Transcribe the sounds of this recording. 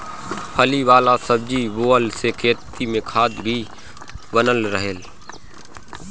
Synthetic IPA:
pʰəliːʋaːlaːsəb̚d͡ʒiːʋoːəlseːkʰeːt̪iːmẽːkʰaːd̪ʱbʱiː | ʋənəlɾəɦeːl

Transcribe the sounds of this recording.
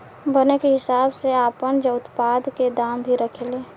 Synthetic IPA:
bənekeɦɪsaːbseaːpənd͡ʒəʊt̪paːd̪ked̪aːmbʱiɾəkʰeleː

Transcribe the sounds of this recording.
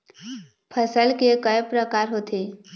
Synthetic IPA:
pʰəsəlkekəjpɾəkaːɾɦoːt̪ʰe

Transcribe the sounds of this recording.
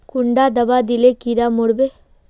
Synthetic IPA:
kʊɳɖaːd̪ɐʋaːd̪ilekiɾaːmoɽbe

